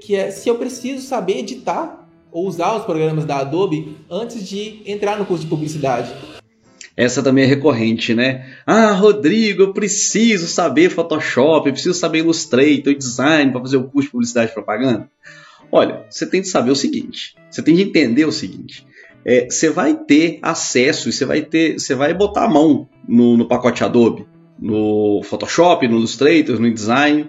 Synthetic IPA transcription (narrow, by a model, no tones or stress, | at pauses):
kʰɪɛsɪewpɾesizʊsabeɾed͡ʒit̪aɾ | owuzaɾʊspɾoɡɾɐ̃mɐzd̪ɐːd̪obɪɐ̃t͡ʃɪzd͡ʒɪẽnt̪ɾaɾnʊkuɾsʊd͡ʒɪpublisid̪ad͡ʒɪ | ɛsɐt̪ɐ̃mbẽj̃ɛɦekoɦẽt͡ʃɪnɛaɦod̪ɾiɡʊewpɾesizʊsabeɾfɔt̪ɔʃɔpɪewpɾesizʊsabeɾilust̪ɾejt̪ɐ̃d͡ʒizãj̃nɪpɾɐfazeɾʊkuɾsʊd͡ʒɪpublisid̪ad͡ʒɪd͡ʒɪpɾopaɡɐ̃nd̪ɐ | ɔʎɐ̰set̪ẽj̃d͡ʒɪsabeʊsiɡḭ̃t͡ʃɪ̥ | set̪ẽj̃d͡ʒɪẽnt̪ẽnd̪eɾʊsiɡḭ̃t͡ʃɪ̥ | ɛsevajt̪ea̰sɛsʊiseva̰jt̪eɾsevajbot̪a̰amɐ̃w̃ | nʊnʊpakɔt͡ʃɪad̪obɪ | nʊfɔt̪ɔʃɔpɪnʊilust̪ɾejt̪eɾnʊĩd͡ʒɪzãjnɪ